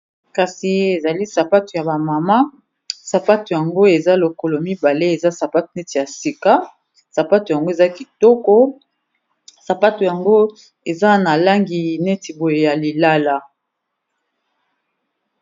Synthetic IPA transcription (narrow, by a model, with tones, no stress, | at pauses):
ka˨si˨e˨za˨li˦sa˨pa˦tu˨ja˨ba˨ma˨ma˦ | sa˨pa˦tu˨ja˨ŋɡo˦e˨za˦lo˨ko˨lo˨mi˦ba˨le˦e˨za˦sa˨pa˦tu˨ne˦ti˨ja˨si˨ka˦ | sa˨pa˦tu˨ja˨ŋɡo˦e˨za˦ki˨tɔ˦kɔ˦ | sa˨pa˦tu˨ja˨ŋɡo˦ | e˨za˦na˨la˦ŋɡi˨ne˦ti˨bo˨je˨ja˨li˨la˦la˦